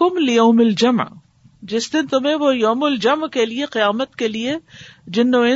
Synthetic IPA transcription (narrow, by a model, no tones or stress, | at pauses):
ʊmlɪjɐːmɪld͡ʒɐmʕ | d͡ʒɪsd̪ɪnt̪ʊmẽʋojɐːmʊld͡ʒɐmʕkelieqɪjaːmət̪kelied͡ʒɪnːõɪ̃